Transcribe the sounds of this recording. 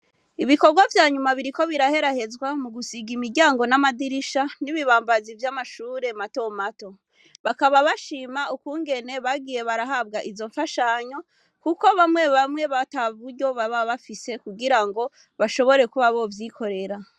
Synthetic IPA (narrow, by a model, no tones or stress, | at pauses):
iβiko̞bɡwavjaːɲumaβiɾiko̞βiɾahe̞ɾahe̞zɡwamuɡusiɡimiɾɟaːŋɡo̞namadiɾiʃaniβiβaːmbazivjamaʃuːɾe̞mato̞mato | βakaβaβaʃiːmaukwuːŋɡe̞ne̞βaɡije̞βaɾaɦaːbɡaʔizo̞ɱfaʃaɲo̞ | kuko̞βamŋe̞βamŋe̞βataβuɾɟo̞βaβaβafise̞kuɡiɾaŋɡo̞ | βaʃo̞βo̞ɾe̞kuβaβo̞vjikʰo̞ɾe̞ɾa